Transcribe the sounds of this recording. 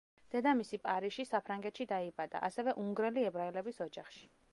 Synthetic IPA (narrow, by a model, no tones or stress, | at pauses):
d̪̥ɛd̪amisipʼaɾiʃisapʰɾaŋɡɛt̪ʃid̪aibad̪a̰ʔasɛvɛʔuŋɡɾɛliɛbɾaɛlɛbisɔd͡ʒaχʃi̥